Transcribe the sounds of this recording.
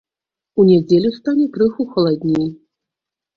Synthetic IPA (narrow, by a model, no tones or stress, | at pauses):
unʲɛd͡zʲelʲust̪anʲɛkɾɨxuxɐlˠad̪ʲnʲij